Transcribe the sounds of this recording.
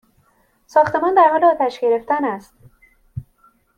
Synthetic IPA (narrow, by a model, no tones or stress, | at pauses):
sɒːxt̪emɒnd̪æɾhɒːleɒːt̪ʰæʃɡeɾeft̪ænæst̪